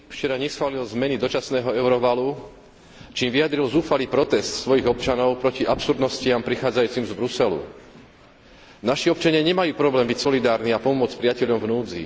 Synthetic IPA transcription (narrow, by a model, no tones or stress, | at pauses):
ft͡ʃɛɾaɲɛsxʋaːlilzmɛnid̪ɔt͡ʃasnɛːɦɔɛʊɾɔʋalu | t͡ʃiːmʋijad̪ɾilzuːfaliːpɾɔt̪ɛst̪sʋɔjiɣɔp̚t͡ʃanɔʊpɾɔciʔapsuɾd̪nɔscɪampɾixaːd͡zajuːt͡simzbɾusɛlṵ | naʃiɔpt͡ʃaɲɪaɲɛmajuːpɾɔblɛːmbicsɔlid̪aːɾniapɔmʊɔt͡spɾɪacɛʎɔmvnuːd͡zḭ